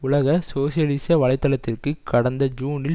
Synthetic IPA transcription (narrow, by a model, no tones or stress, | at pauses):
ʊlɐɣɐsoːsɪjɐlɪsɐʋɐlɐɪt̪ːɐlɐt̪ːɪrkɯkɐɽɐnd̪ɐd͡ʒuːnɪl